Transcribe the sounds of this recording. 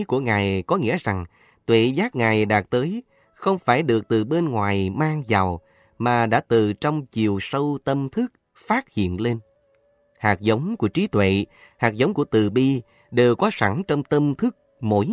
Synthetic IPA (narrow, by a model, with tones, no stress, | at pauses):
ku˧˩əŋaː˨˩jkɔ˨˦ŋḭ˧˥əza˨˩ŋ | t̪wḛ˧˨zaː˦˥k̚ŋaː˨˩jɗaː˨˩k̚t̪əː˨˦j | xə˧wŋ͡mfaː˧˩jɗɨ˨˩ək̚t̪ɨ˨˩ɓe˧nŋwaː˨˩jmaː˧ŋza˨˩w | maː˨˩ɗa̰ː˧˥t̪ɨ˨˩t͡ɕɔ˧wŋ͡mt͡ɕi˨˩əwsə˧wt̪ə˧mt̪ʰɨ˦˥k̚ | faː˦˥t̚hḭ˧˨ənle˧n | haː˨˩k̚zə˨˦wŋ͡mku˧˩ət͡ɕi˨˦t̪wḛ˧˨ | haː˨˩k̚zə˨˦wŋ͡mku˧˩ət̪ɨ˨˩ɓi˧ | ɗe˨˩wkɔ˨˦sa˧˩ŋt͡ɕɔ˧wŋ͡mt̪ə˧mt̪ʰɨ˦˥k̚ | mo̰˧˨˦j